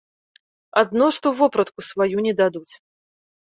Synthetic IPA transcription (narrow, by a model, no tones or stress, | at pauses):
ad̪nɔʂt̪ɔwvɔpɾɐt̪kusvajunʲɛd̪ad̪ut͡sʲ